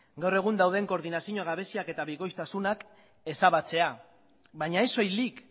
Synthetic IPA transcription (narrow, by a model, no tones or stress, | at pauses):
ɡawre̞ɣ̞und̪awðe̞ŋko̞ɾðinasiɲoɣ̞aβe̞siake̞t̪aβiɣo̞jst̪asunak | e̞saβat͡se̞a | βaɲaeso̞jlik